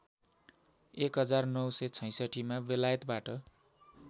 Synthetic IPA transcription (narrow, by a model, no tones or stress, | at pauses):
ekɦʌd͡zarnʌwsʌjt͡sʰʌ̃j̃sʌʈimabelajʌt̪baʈʌ